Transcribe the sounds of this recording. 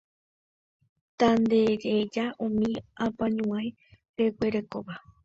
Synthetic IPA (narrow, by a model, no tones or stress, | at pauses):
t̪and̪eɾed͡ʒaʔũmĩãpãɲũãẽ | ɾekʷe̞ɾekoʋa